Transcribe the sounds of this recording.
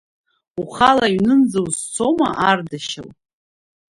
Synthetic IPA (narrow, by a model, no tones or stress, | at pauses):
uχalajɥnɨnd͡zawzt͡sʰomaʔardaʃaw